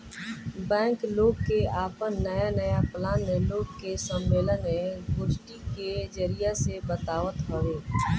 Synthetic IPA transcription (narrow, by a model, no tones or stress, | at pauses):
bɛ̃ːŋkloːɡkeaːpənːəjanəjaplãːnːeloːɡ̚kesəmːeːlənːeɡʊd͡ʒʈiked͡ʒəɾɪjasebət̪aːʋət̪ɦəʋeː